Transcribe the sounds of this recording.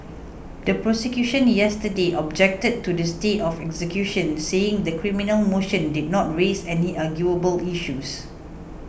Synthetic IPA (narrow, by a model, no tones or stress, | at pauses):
dəpɹɔsɛkjuʃə̃njɛstədeʔɔb̚d͡ʒɛk̚təd̚tːudəstetɔfɛksəkjuʃə̃nseɪ̃ŋdəkʰɹĩminəlmoʃə̃ndid̚nɔt̚ɹesɛniʔaɡjuəbəliʃus